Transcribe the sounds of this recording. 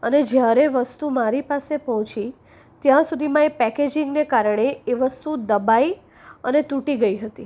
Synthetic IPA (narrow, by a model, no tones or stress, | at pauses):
əned͡ʒjaɾeʋəst̪umaɾipasepɔɦɔ̃t͡ʃi | t̪jãsud̪ʱimãepɛked͡ʒɪ̃ŋɡnekaɾəɳ̃eeʋəst̪ud̪əbai | ənet̪uʈiɡəiɦət̪i